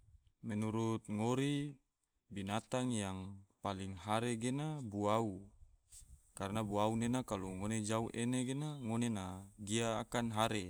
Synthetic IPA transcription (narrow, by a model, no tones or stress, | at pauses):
mɛnuɾut̪̚ŋoɾi | binat̪aŋjaŋpaliŋɦaɾeɡenabuau | kaɾnabuaunenakaluŋoned͡ʒauʔeneɡenaŋonenaɡiaːkanɦaɾe